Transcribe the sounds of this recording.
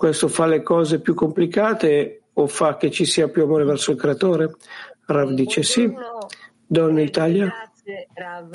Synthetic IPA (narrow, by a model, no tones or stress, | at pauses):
kwest̪ofalekɔːzepjukːomplikaːt̪eofak̟ːet͡ʃːisiːapjuamoːɾevɛrsoilkɾeat̪oːɾeravd̪iːt͡ʃesi | d̪ɔnːit̪aːlja